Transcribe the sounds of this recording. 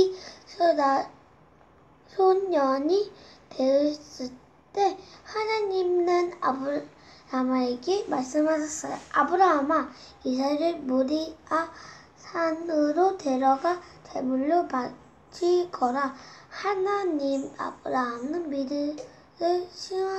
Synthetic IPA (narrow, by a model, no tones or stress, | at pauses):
sʰonɲʌɲite̞ɯs͈ɯɭ | t͈e̞hanaɲimnɯna̰bnamaeɡemaɭs͈ɯmɦasʰʌs͈ʌj̰ʔabɯɾaɦamaisʰaeɾɯɭmuɾia | sʰanɯɾot̪eɾʌɡatʰemuɭːopa | t͡ɕʰiɡʌɾahanaɲima̰bɯɾaɦamnɯnmiɾɯ | ɯɕʰia